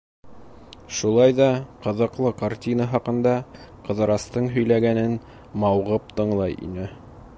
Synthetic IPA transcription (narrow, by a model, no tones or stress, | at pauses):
ʃulˠɑjðɑqɤ̆ðɤ̆qlˠɤkartʲinəɦɑqɤ̆nd̪ɑqɤ̆ðɤ̆ɾɑst̪ɤɴɦɵ̆jlæɡænɘn | mɑwʁɤp̚t̪ɤ̆ɴlˠɑjḭnɘ